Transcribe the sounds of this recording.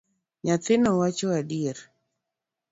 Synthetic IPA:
ɲat̪ɪnɔwat͡ʃɔadieɾ

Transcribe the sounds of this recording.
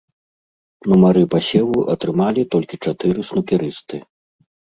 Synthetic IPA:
numaɾɨpasʲɛluʔɐt̪ɾɨmalʲit̪ɔlʲkʲit͡ʂat̪ɨɾɨsnukʲiɾɨst̪ɨ

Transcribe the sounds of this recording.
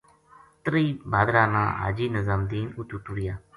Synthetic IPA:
t̪ɾiːbaːd̪ɾaːnã̰ːa̰ːd͡ʒiːnəzamd̪iːnut̪ut̪uɽɪjaː

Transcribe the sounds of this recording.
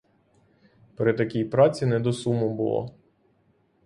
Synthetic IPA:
pɾɪt̪ɐkʲijpɾɑt͡sʲinɛd̪ɔsumʊbʊ̰lˠɔ̰

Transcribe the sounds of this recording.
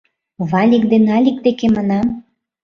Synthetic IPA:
βɑlʲikd̪enɑlʲik̚d̪ekemɑnɑm

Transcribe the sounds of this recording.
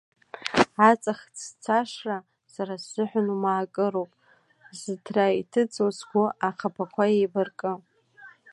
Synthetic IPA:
at͡sʼaχt͡sʰt͡sʰaʂra | saɾasːɨħʷᶣʊnumaːkʼɨɾowpʼ | zɨtʰraitʰɨt͡sʼozɡʷuaχʰapʰakʷʰaejbɨrkʼɨ

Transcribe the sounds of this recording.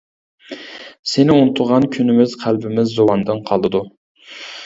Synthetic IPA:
sɪnɪunɨt̪ʰʊɾʁɑnkʲʰynɪmɪz̥qʰælbɪmɪzːowɑnd̪ɨnqʰɑlˠɨd̪u

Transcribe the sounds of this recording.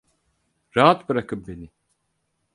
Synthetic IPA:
ɾaɦat̪bɯɾakʰɯp̚benɪ

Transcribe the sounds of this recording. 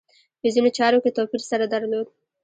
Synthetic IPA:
pəzinot͡ʃɑɾoket̪awfiɾsaɾad̪aɾlod̪̚

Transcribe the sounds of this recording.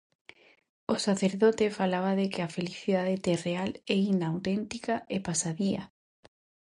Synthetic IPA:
osaθeɾðot̪efalaβ̞aðekɪafeliθiðaðet̪erealɛind̪aːwt̪ɛnt̪ikaʔepasaðiɐ

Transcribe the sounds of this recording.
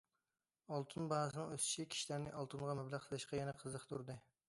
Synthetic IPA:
ɑlˠt̪ʰunbɑəsɨnɨŋøst͡ʃʰikʲʰi̥ʃilæɾnɪʔɑlˠt̪ʰunʁɑmɛblæqt̪ʰəlˠɨʃqɑjɛnɛqʰəzəχt̪ʰuɾd̪ɨ

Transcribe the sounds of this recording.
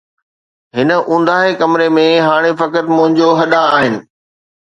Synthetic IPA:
ɦɪnə̆ʔũːnd̪aːɦekɐmɪɾemẽɦaːɽ̃efɐkət̪mʊ̃ɦɪ̃ɲd͡ʑoɦɐɗaːɦɪnɪ̆

